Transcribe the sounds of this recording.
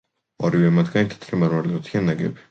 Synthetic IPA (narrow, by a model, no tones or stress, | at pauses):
aɾivɛmat̪ʰɡ̥anit̪ʰɛ̥t̪ʰɾimaɾmalɛat̪ʰianːaɡɛ̰bi̥